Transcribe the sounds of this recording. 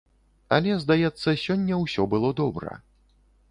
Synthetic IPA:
ɐ̰lʲɛzd̪ajɛt̪sːɐsʲɔnʲːɐwsʲɔbɨlˠɔd̪ɔbɾɐ̰

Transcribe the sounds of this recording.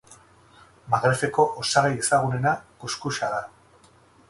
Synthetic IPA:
maɣɾe̞fe̞ko̞ʔosaɣaje̞saɣune̞nakuskuʃaða

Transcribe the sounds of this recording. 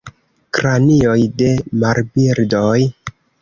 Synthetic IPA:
kɾanio̞jde̞maɾbiɾdoj

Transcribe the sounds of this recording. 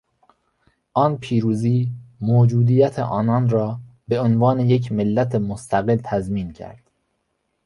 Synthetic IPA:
ʔɒːnpʰiːɾuːziːmoːd͡ʒuːd̪iːjæt̪ʰḛʔɒːnɒːnɾɒːbe̞onvɒːnejecʰmelːæt̪ʰemost̪ʰæɣelt̪ʰæzmiːncʰæ̰ɾd̪̥

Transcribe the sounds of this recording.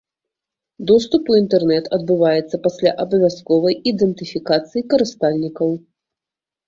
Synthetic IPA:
d̪ɔst̪up̪uint̪ɛrnɛt̪ʰɐd̪bɨvajɛt̪sːɐpasʲlʲa̰ʔɐbɐvʲaskɔvɐjid̪ɛnt̪ɨfʲikat̪sɨjikɐɾɨst̪alʲnʲikɐw

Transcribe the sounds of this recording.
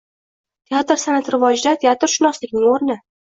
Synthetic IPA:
t̪ʲʰeat̪ɾsanat̪ɾɪvɒd͡ʒd̪at̪ʰeat̪ɾʃʊnɒslɪkʲnɪŋoɾnɪ

